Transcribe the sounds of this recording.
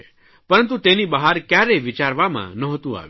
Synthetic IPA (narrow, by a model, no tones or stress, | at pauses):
pəɾənt̪ut̪enibaɦaɾkjaɾɛjʋɪt͡ʃaɾʋamã̰nəɦɔt̪ũa̰ʋ